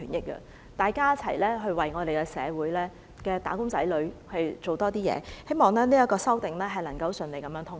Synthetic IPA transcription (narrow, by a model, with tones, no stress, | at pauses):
yː˨˩njɪ˥k̚ːə̰˧ | t̪aː˨jkaː˥jɐ˥t͡sʰɐ̰˨˩jlɛː˥ɦɵ˧ɥwɐ˨jŋɔː˨˧d̪e˨jkɛ˧sɛ̰ː˨˧wuː˨˥jlɛː˥ | kɛː˧t̪aː˨˥kʊ˥ŋt͡sɐ˨˥jlɵ˨˧ɥhɵ˨˧ɥt͡so˨wt̪ɔː˥t̪iː˥jɛ̰ː˨˦he˥jmɔː˨ŋlɛː˥niː˥ɐ˥kːɔː˧sɐ˥wt̪ɪ˨ŋlɛː˥ɦɐ˨jlɐ˨˩ŋkɐ˧wsɵ˨nle˨˧jkɐ˨mjœː˨˧˥ŋt̪ʰʊ˥ŋ